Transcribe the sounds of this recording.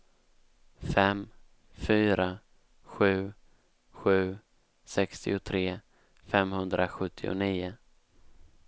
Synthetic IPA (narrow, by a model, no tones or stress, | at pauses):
fɛm | fyːɾa | ɧʉ̟ː | ɧʉ̟ː | sɛkst̪ɪʊt̪ʰɾeː | fɛmhɵnd̪ɾʔaɧɵt̪ʰːɪʊ̰niːʊ